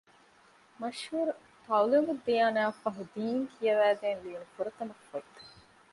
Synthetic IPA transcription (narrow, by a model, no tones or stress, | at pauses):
mɐʃhuːɾu | t̪ɐwluŋɡud̪ːijaːnaːfɐɦud̪iːŋkʰijɐʋæːɡeːnliːnufuɾɐt̪ɐmɐkːoit̪ɐ̥